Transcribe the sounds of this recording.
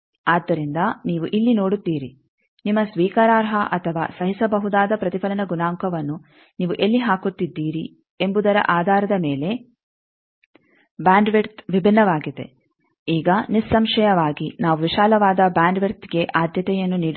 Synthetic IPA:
aːd̪ːɐɾind̪ɐniːʋuʔilːinoːɽut̪ːiːɾi | nimːɐsʋiːkaːɾaːɾɦɐʔɐt̪ʰɐʋa̰ːsɐɦisɐbɐɦud̪aːd̪ɐpɾɐt̪ipʰɐlɐnɐɡunaːŋkɐʋɐnːu | niːʋuʔelːiɦaːkut̪ːid̪ːiːɾi | embud̪ɐɾɐ̰ʔaːd̪ʱaːɾɐd̪ɐmeːle̞ | bjaːɳɖʋeɾt̪ʋibʱinːɐʋaːɡid̪e̞̰ | iːɡɐnisːɐmʂɐjɐʋaːɡinaːʋuʋiʃaːlɐʋaːd̪ɐbaːɳɖʋeɾt̪ɡe̞ʔaːd̪ʱjɐt̪ɛjɐnːuniːɽu

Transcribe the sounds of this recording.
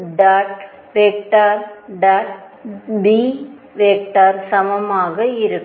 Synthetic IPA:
ɖaːʈ | ʋeːk̚ʈaːɾɖaːʈ | bi | ʋeːk̚ʈaːɾsɐmɐmaːɣɐɪɾɯkː

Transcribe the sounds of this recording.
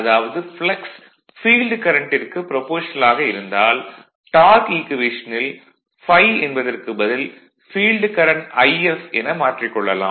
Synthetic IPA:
ɐðaːʋɐðɯfɭɐks | fiːlɖkɐɾɐɳʈɪrkɯpɪɾɔpoːʂɐnɐlaːɣɐɪɾɯnd̪aːl | ʈaːɾkiːkɪʋeːʂɐnɪl | fɐɪɛnbɐðɐrkɯbɐðɪl | fiːlɖkɐɾɐɳɐɪɛfɛnɐmaːʈrɪkːɔɭːɐlã̰ː

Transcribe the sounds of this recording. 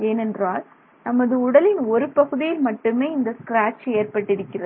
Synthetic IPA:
eːnɛndraːl | nɐmːɐðɯʊɽɐlɪnɔɾɯpɐɣɯðɪjɪlmɐʈːɯmeːɪnd̪ɐskɾaːt͡ʃːeːrpɐʈːɪɽɯkːɪrɐð

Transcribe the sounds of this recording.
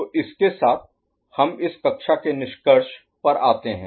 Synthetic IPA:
oʔɪskesaːt̪̚ʰ | hɐmɪskɐkʃakenɪʃkəɾʃ | pɐɾʔaːt̪eɦɛ̃ː

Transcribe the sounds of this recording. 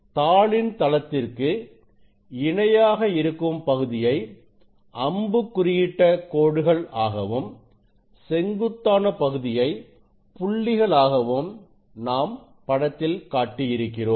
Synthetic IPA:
t̪aːɭɪnt̪ɐlɐt̪ːɪrkɯ | ɪɳɐjaːɣɐɪɾɯkːɯmpɐɣɯðɪjɐɪ | ʔɐmbɯkːʊrɪjɪʈːɐkoːɽɯɣɐɭaːɣɐʋɯm | sɛŋɡɯt̪ːaːnɐpɐɣɯðɪjɐɪ | pʊɭːɪɣɐɭaːɣɐʋɯm | naːm | pɐɽɐt̪ːɪlkaːʈːijɪɾɯkːɪroːm

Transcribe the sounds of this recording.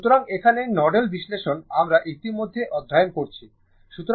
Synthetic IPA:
ut̪oɾaŋekʰanenɔɖelbiʃleʃonamɾaʔit̪imod̪ʱːeʔɔd̪ʱːajonkoɾt͡ɕʰi | ʃut̪o

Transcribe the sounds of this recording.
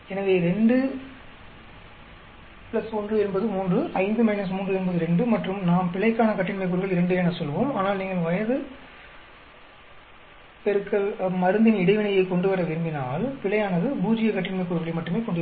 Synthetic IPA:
ɛnɐʋeːɾɛɳɖɯ | pɪɭɐsɔndrɯɛnbɐðɯmuːndrɯɐɪnd̪ɯmɐɪnɐs̬muːndrɯɛnbɐðɯɾɛɳɖɯmɐʈrɯmnaːmpɪɭɐɪkːaːnɐkɐʈːɪnmɐɪk̬ːʊɾɯɣɐɭɪɾɐɳɖɯenɐsɔlːɯʋoːmaːnaːlniːŋɡɐɭʋɐjɐðɯ | pɛɾɯkːɐɭmɐɾɯnd̪ɪnɪɽɐɪʋɪɳɐjɐɪkɔɳɖɯʋɐɾɐʋɪɾɳbɪnaːlpɪɭɐjaːnɐðɯbuːd͡ʒɪjɐkɐʈːɪnmɐɪkːʊɾɯɣɐɭɐmɐʈːɯmeːkɔɳɖɯʋ

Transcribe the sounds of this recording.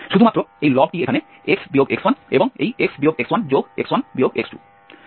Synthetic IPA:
ʃud̪ʱumat̪ːɾoejlɔb̚ʈiekʰane | eksbioɡekswaneboŋejeksbioɡekswand͡ʑoɡḛkswanbioɡeksʈṵ

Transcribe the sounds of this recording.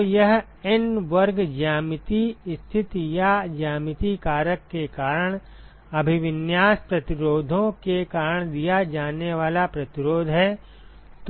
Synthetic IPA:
jɐɦ | ɪnʋəɾɡd͡ʒaːmɪt̪ist̪ʰɪt̪jad͡ʒaːmɪt̪ikaːɾəkːekaːɾəɽ̃ | ɐbʱɪʋɪnjaːspɾɐt̪ɪɾoːd̪ʱõkekaːɾəɳ̃d̪ijad͡ʒaːneʋaːlapɾɐt̪ɪɾoːd̪ʱɦɛː | t̪

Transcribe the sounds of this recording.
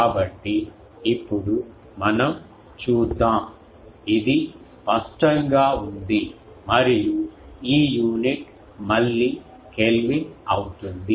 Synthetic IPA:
kaːbɐʈːi | ipːuɽu | mɐnɐm | t͡ʃuːd̪ːaːm | id̪ispɐsʈɐŋɡaːund̪i | mɐɾijuiːjuːniʈ | mɐlːi | kelʋinɐwut̪und̪i

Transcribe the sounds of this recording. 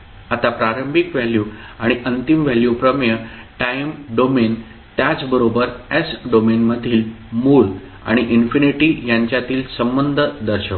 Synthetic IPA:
at̪apɾaɾəmbʱikʋɛljuaɽ̃iʔənt̪imʋɛljupɾəmjə | ʈaimɖomen | t̪jat͡sbəɾobəɾesɖomenməd̪ʱiːlmuːɭ | a̰ɽ̃iʔinfiniʈiːjaɲt͡ɕjat̪iːlsəmbənd̪ʱəd̪əɾɕək

